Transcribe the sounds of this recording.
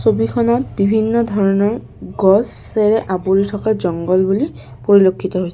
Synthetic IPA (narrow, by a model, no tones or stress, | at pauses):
sobixʰɔnɔt̚bibʱinːɔdʱɔɹɔnɔɹ | ɡɔsɛɹɛʔaboɹitʰɔkazɔŋɡɔlbuli | poɹilokʰːitɔɦojsɛ